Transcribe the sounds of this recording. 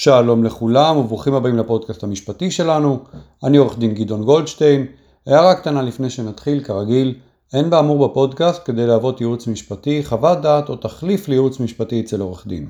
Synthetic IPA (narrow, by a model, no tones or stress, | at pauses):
ʃaːlo̞mle̞χulamuvuχimhabaimlapo̞d̪̚kast̪hamiʃpatiʃe̞lanu | anio̞ʁeχd̪inɡid̪o̞nɡo̞ldʃtejn | ajaʁakt̪analifne̞jʃe̞nat̪χilkaʁaɡil | e̞nbaːmuʁbepo̞d̪kast̪̚ke̞d̪e̞jleavo̞t̪jiut͡smiʃpat̪iχavad̪aːt̪o̞t̪aχliflejut͡smiʃpatiet͡se̞lo̞ʁeχd̪ḭn